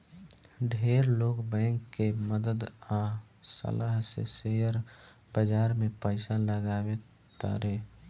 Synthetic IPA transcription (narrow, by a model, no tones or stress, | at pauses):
ɖʱeːɾloːkbɛ̃ːŋkːeməd̪əd̪a | sə̰ləɦsḛseəɾ | b̥əd͡ʒaːɾmẽpəɪsaləɡaːwe | t̪ə̰ɾe